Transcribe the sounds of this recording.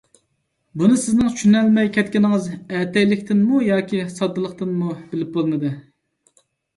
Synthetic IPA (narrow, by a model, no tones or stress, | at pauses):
bunɨsɪznɨŋt͡ʃʰy̥ʃynɛlmɛjkʲʰɛt̪̚kʲinɪŋɨzɛt̪ɛjlɪkʲt̪ʰɪnmujɑːkʲisɑd̪ːɨlˠəqt̪ɨnmub̥ɪlɪp̚bɨlˠmɨd̪ɨ